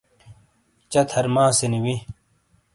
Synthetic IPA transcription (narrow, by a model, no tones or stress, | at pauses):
t͡ɕɐt̪ʰhɐɾmãːseniwi